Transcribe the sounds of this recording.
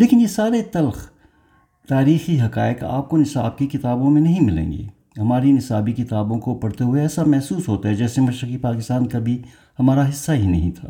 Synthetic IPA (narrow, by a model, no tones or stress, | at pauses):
leːkɪnjesaːɾet̪ɐlx | t̪aːɾiːxiɦɐkaːɪka̰ːp̚konɪsaːb̚kikɪt̪aːbõmẽnɐɦĩmɪlḛ̃ːŋɡḛː | ɦɐmaːɾinɪsaːbikɪt̪aːbõkopɐɽt̪eɦʊeɛːsamɛɦsuːsɦoːt̪aɦɛd͡ʒɛːsemɐʃɾəkipaːkɪst̪aːnkabʱi | hɐmaːɾaɦɪsːaɦinɐɦĩt̪ʰa̰ː